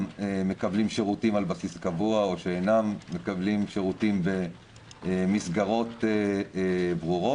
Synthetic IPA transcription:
eme̞kablimʃeʁutimalbasiskavuao̞ʃeenamːe̞kablimʃeʁutimbe | misɡaʁo̞te | bʁuʁo

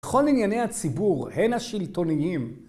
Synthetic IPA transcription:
eχo̞linjane̞jhat͡sibuʁhe̞naʃilt̪o̞niim

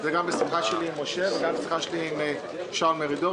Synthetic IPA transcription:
zɛɡambesiχaʃeliimːoʃeveɡambesiχaʃeliime | ʃameʁid̪o

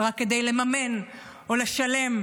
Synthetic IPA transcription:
ʁakːed̪ejle̞mame̞n | oleʃale̞m

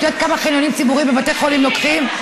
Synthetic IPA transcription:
jot̪̚kamaχiljonimt͡sibuʁimːevat̪eχolimlokχim

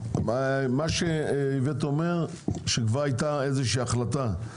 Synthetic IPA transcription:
amaʃeivet̪omeʁ | ʃekvaʁajt̪aezeʃiːaχlat̪a

